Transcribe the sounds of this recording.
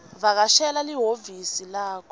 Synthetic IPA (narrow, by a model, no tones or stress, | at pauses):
βak̬aʃɛlaliɦovisilaːkʰɔ